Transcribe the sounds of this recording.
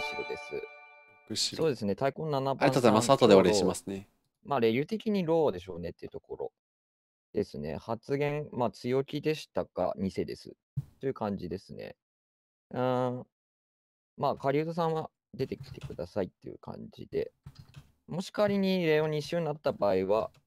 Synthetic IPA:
ɕiɾod̪e̞sɨ̰ | so̞ːd̪e̞sɨne̞t̪aikõ̞nːanabaɾĩt̪ozaimasat̪od̪eaɾeimasɨne | maːɾe̞jʲɯ̟t̪e̞kʲiɲ̟iɾo̞ːd̪e̞ɕ̬o̞̰ːne̞t̪ːeiɯ̟t̪o̞ko̞ɾo̞̰ | d̪̥e̞sɨnḛhat͡sɨɡẽ̞ŋmat͡sɨjo̞kʲid̪e̞ɕi̥t̪aka̰ɲ̟ise̞d̪e̞̰sɨ̰ | ojɯ̟kãɲ̟d͡ʑid̪e̞sɨne̞̰ | ɯ̃ | maːkaɾʲiɯt̪os̬ãɰ̃a | d̪e̞t̪e̞kʲi̥t̪e̞̥kɯ̟d̪asait̪ːe̞jɯ̟̰kʰã̰ɲd͡ʑḭd̪̥e̞̰ | mo̞ɕi̥kaɾʲiɲ̟iɾe̞oɲ̟iːɕoɲinat̪ːabaːiβa

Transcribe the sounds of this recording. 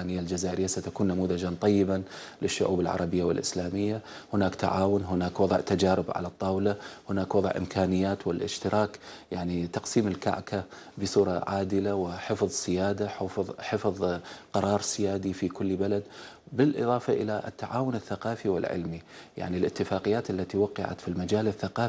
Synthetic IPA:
nɪjːald͡ʒazaːʔɪɾɪjːasat̪akuːnːamuːðad͡ʒant̪ˤɑjːɪba | lɪʃːʊʕuːbɪlʕɑ̰ɾˤɑbɪjːawɪlʔɪ̰slaːmɪjːa | hʊnaːkt̪a̰ʕaːwʊnɦʊnaːkwɑðˤʕt̪ad͡ʒaːɾɪbʕa̰lat̪ˤːɑːwlahʊnaːkwɑðˤʕʔɪ̰mkʰaːnɪjːaːt̪wɪlʔɪ̰ʃt̪ɪɾʔɑːkjaʕnit̪ɑqsiːmɪlka̰ʕka | bɪsuːɾˤɑʕaːd̪ɪlawɪħɪfðˤsɪjaːd̪aħħɪfðˤqɑɾˤɑːɾˤsɪjaːd̪ifikʊlːbalad̪ | bɪlʔɨ̰ðˤɑːfaʔɪlaʔt̪ːaʕaːwʊnɪθːaqɑːfiwɪ̰lʕɪ̰lmija̰ʕnilʔɪt̪ːɪfaːqɪjːaːt̪ʔalːat̪iwɑqːɑʕa̰t̪filmad͡ʒaːlɪθːaqɑː

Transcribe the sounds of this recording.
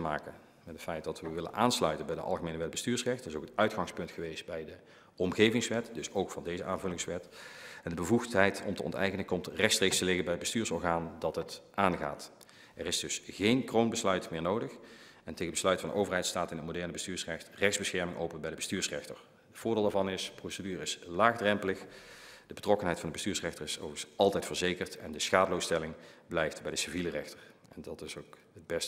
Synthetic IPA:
əma̰ːkən | mɛtətfɛjt̚dɑtʋəʋɪlə̰nʔaːnslœɥtənbɛjdə̰ʔɑ̰lˠɣəmejnəʋɛt̚bəstyːɹsrɛxtərɪzowkətœɥtxɑŋspɵntxəʋejstbɛjdə | ɔmɣejvɪŋsʋɛtdɵsowkfɑndejzəʔaːnvɵlɪŋsʋɛtɛndəbəvuxtɦɛjtɔ̰mtə̰ɔ̰ntɛ̰jkənəkɔmtrɛxtstreːkstəlɪɣənbɛjəd̚bəstyːɹsɔɹɣaːndɑtɦətʔaːnɣa̰ːt | ɛrɪsdɵsɣejnkrownbəslœɥtmɪːɹnowdəx | ɛntejɣəbəslœɥtfɑndə̰ʔowvərɦɛjtstaːtɪnɦətmodɛɹnəbəstyːɹsrɛxtrɛxzbəsxɛɹmɪŋʔo̰wpənbɛjdəbəstyːɹsrɛ̰xtə̰ɹ | ətvʊːɹdɪːlˠdaːvɑnɪsprowsədyːrəɪslaːxdrɛmpələxd̥əb̥ətrɔkənɦɛjtfɑndəbəstyːɹsrɛxtəɹɪsoɑlˠtɛjtfəɹzejkəɹtɛ̰ndəsxaːdəlowstɛlɪŋblɛjftbɛjdəsivilərɛxtər | ɛndɑtɪsowk | əd̚bɛst

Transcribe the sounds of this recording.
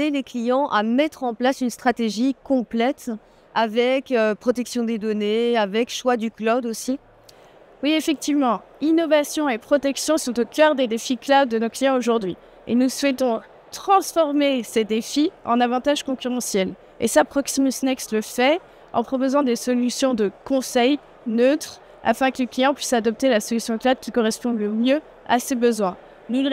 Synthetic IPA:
eleklijɑ̃ʔamɛt̪χɑ̃plasynst̪χat̪eʒikɔ̃plɛt̪ | avɛkøpχɔt̪ɛksjɔ̃d̪ed̪ɔneavɛkʃwad̪yklɔd̪osi | wiefɛk̚t̪ivmɑ̃inɔvasjɔ̃epχɔt̪ɛksjɔ̃sɔ̃t̪okʲœʁd̪ed̪efiklad̪̚ːənoklijɑ̃oʒuʁd̪ɥi | ḛnuswɛt̪ɔ̃ | t̪χɑ̃sfɔʁmesed̪efiɑ̰̃navɑ̃t̪aʒkɔ̃kʲyʁɑ̃sjɛl | ḛsapχɔksimysnɛksləfɛ | ɑ̃pχɔpozɑ̃d̪esɔlysjɔ̃d̪əkɔ̃sɛj | nøt̪χ | a̰fɛ̃kələklijɑ̃pɥisad̪ɔp̚t̪elasɔlysjɔ̃klad̪̚kʲikɔʁɛspɔ̃ləmjø | a̰sebəzwɛ̃ | nu

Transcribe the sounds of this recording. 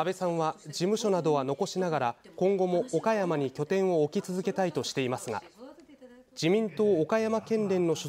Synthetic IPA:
abe̞sãɰ̃βad͡ʑimɯ̟ɕo̞nad̪o̞β̞ano̞ko̞ɕinaɡaɾakõ̞ŋɡo̞mo̞ːkajamaɲ̟ikʲo̞t̪ẽ̞ɰ̃o̞ːkʲit͡sɨzɨke̞t̪ait̪oɕi̥t̪e̞imasɨɡa̰ | d͡ʑimʲĩnt̪o̞ːkajamakẽ̞nɾẽ̞nːo̞ɕo

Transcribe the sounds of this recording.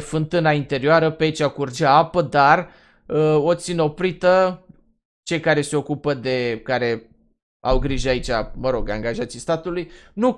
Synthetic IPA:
fɨnt̪ɨnaint̪e̞ɾioaɾəpeait͡ʃakurd͡ʒaapəd̪ar | əo̞t̪sineo̞pɾit̪ə | t͡ʃe̞jkaɾe̞se̞o̞kupəd̪e̞kaɾe̞ | awɡɾiʒait͡ʃʲaməɾo̞ɡaŋɡaʒat̪sist̪at̪ulujnu

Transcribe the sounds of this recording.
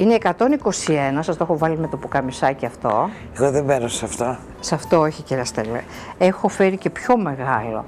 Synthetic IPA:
ineːkɐt̪o̞niko̞sienɐsɐst̪oxo̞vɐlime̞t̪o̞pokɐmisɐciɐft̪o̞ | eɣoðebeɾosɐft̪o̞ | sɐft̪o̞oçiciɾɐst̪elḛ | exo̞fe̞ɾice̞pço̞me̞ɣɐlo̞̰

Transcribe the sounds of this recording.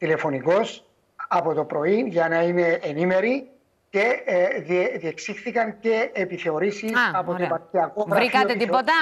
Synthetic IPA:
t̪ile̞fo̞niko̞s | ɐpo̞t̪o̞pɾo̞inʝɐnɐine̞ʔːnime̞ɾi | ce̞ðieðieksixθikɐnce̞ːpiθe̞o̞ɾisisɐpooepɐtiɐkoɣɾɐikɐiot̪et̪ipot̪ɐ

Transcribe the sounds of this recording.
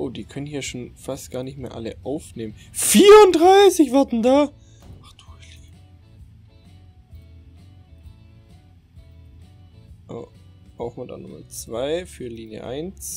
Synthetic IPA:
ʔoːdiːkʰœnənhiːɐʃoːnfastɡ̥aːɐnɪçtmeːɐʔa̰ləʔaʊfneːmən | fiːɐʊndʁaɪsɪçv̥aɐtn̩daː | ʔaχd̥ul | ʔo̰ːʔaʊxmada̰nʊmɐ̰t͡sv̥aɪfyːɐliːnjə̰ʔa̰ɪnt͡s

